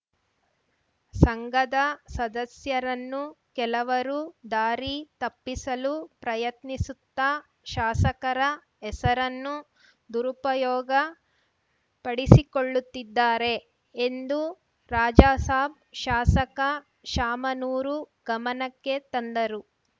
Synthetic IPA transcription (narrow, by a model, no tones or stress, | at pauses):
sɐŋɡɐd̪ɐsɐd̪ɐsjɐɾɐnːukɛlɐʋɐɾud̪aːɾit̪ɐpːisɐlupɾɐjɐt̪nisut̪ːɐ | ʃaːsɐkɐɾɐ | ɛsɐɾɐnːu | d̪uɾupɐjɔːɡɐ | pɐɽisikoɭːut̪ːid̪ːaːɾe̞ | end̪u | ɾaːd͡ʒaːsaːb̚ | ʃaːsɐkɐ | ʃaːmɐnuːɾuɡɐmɐnɐkːe̞t̪ɐnd̪ɐɾu